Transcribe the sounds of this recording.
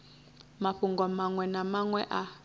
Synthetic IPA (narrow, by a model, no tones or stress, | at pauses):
maɸuŋɡɔmaŋwɛnamaŋwɛʔa